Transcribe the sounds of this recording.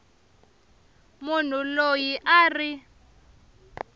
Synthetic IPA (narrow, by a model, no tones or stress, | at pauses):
mun̤ulojiʔaːri